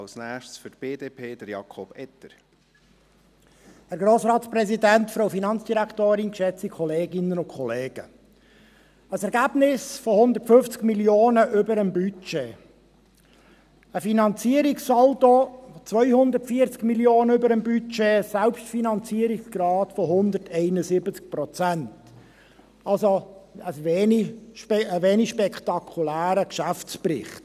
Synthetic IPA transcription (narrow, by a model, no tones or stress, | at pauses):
lsnæːʃsfytb̥eːdeːpʰeːd̥̪əɾjɑ̰kʰɔb̥ɛt̪əɾ | hæɾɡɾoːsɾɑːtsprɛzidænt̪fɾoʊfinɑnt͡sd̥iɾækʰt̪oːɾɪnkʃɛt͡sikʰɔleːɡɪnənʊnkʰχɔleːɡ̥ə̰ | əsɛɾɡæb̥nɪsfohʊnd̪ətføft͡skmiljoːnəʔʏbəɾəmbyt͡ʃe | əfinɑnt͡siəɾikssɔltot͡sʋœʏhʊnd̪ərtfiəɾt͡skmiljoːnəʏbəɾəmbyt͡ʃesælpʃtfinɑnt͡siəɾiksɡ̥ɾɑːtfɔɦʊnd̪ətʰɛɪnəsɪbət͡sk̚pɾɔt͡sænt | ɑlsoəsʋeːniʃpəʋeːniʃpɛkt̪ɑkʰulæːɾəkʃæft͡sprɪ̰χt